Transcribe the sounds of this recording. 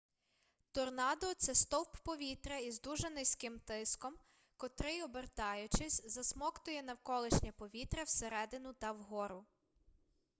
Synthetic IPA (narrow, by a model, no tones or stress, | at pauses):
t̪ɔrnɑd̪ɔt̪sɛst̪ɔwpːɔʋʲit̪ɾɛizd̪uʒɛnɪsʲkɪmt̪ɪskɔm | kɔt̪ɾɪɔbert̪ɑjʊt͡ʃɪsʲzɐsmɔkt̪ʊjɛnɐwkɔlˠɪʃnʲɐpɔʋʲit̪ɾɐwseɾɛd̪ɪnʊt̪ɐwɦɔɾʊ